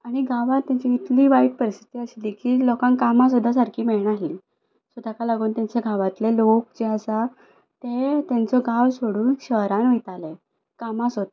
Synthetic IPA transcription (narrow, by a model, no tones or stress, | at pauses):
aɽ̃iɡʱaʋat̪ːjaɲt͡ɕiit̪liːʋaiʈ̪̚pəɾisi̥t̪iəsliːkiːlɔkãŋkamas̬ud̪ʱːas̬aɾkʰiːmeɭɳaliː | səd̪ʱakalaɡuːnt̪jaɲt͡ɕeɡʱaʋat̪lelokd͡ʑeasa | t̪et̪ant͡sɔɡawsoɽuːnɕəɦɾanʋijt̪ale | kamasot̪